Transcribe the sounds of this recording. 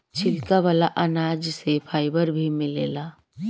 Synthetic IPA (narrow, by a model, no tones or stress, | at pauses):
t͡ʃʰɪlkaʋaːlaʔənaːd͡ʒsepʰaːɪbəɾbʱimɪleːlaː